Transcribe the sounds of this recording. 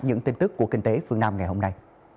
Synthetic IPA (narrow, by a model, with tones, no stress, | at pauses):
ɲɨ̰˧˥ŋt̪i˧nt̪ɨ˦˥kːu˧˩əki˧ŋ̟t̪e˨˦fɨ˧əŋnaː˧mŋa˨˩jho˧mna˧j